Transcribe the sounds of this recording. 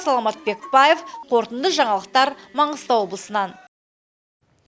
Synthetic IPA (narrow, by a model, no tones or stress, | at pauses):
sɑlˠɑmɑt̪̚be̞k̚bɑjefqʰo̞ɾt̪ənd̪əʒɑɴɑlˠəq̚t̪ɑɾmɑɴəzt̪ɑwo̞blˠəsənɑn